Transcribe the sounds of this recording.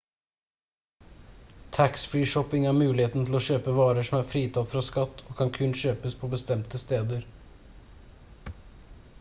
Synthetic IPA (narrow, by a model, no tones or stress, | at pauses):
t̪ʰæksfɹiːʂɔpɪŋæːɾmʉːlɪheːt̪n̩t̪ʰl̩ɔːʃøːpəʋɑːɾəʂɔmæɾfɾiːt̪ʰɑt̪fɾɑskɑt̪ːoːkʰɑnkʰʉnʃøːpəspʰoːbəst̪ɛmt̪əst̪eːd̪əɾ